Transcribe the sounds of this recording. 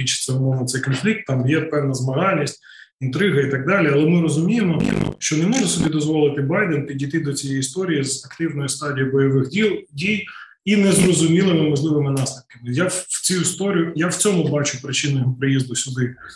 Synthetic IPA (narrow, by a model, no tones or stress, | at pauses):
it͡ʃɪ̥t̪sɛʊmɔʋɐt̪sɛjkɔnflʲik̚t̪ːɑmjɛpɛwnɐzmɐɦɑlʲnʲisʲtʲ | int̪ɾɪɦɐit̪ɑɡ̚d̪ɑlʲiɐlˠɛmɪɾɔzʊmʲijemɔʃt͡ʃɔnemuʐɛsɔbʲid̪ɔzʋɔlˠɪt̪ɪbɑjd̪enpʲidʲijt̪ɪd̪ɔt͡sʲijɛjist̪ɔɾʲijizɐkt̪ɪwnɔjist̪ɑdʲijibɔjɔʋɪxʲdʲij | inɛzrɔzʊmʲilˠɪmɪmɔʒlˠɪʋɪmɪnɑslʲɪpkɪmɪjḁt͡sʲujust̪ɔɾʲjʊjawt͡sʲɔmʊbɑt͡ʃʊpɾɪt͡ʃɪnʊjɔɦɔpɾɪjizd̪ʊsʲʊd̪ɪ